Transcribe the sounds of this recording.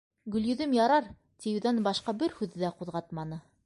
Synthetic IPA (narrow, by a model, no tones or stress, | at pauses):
ɡɵ̆ljɵ̆ðɘmjɑɾɑɾ | t̪ʲijɘðænbɑʃqɑbɘɾhʉðɘ̆ðæquðʁɑt̪mɑnɤ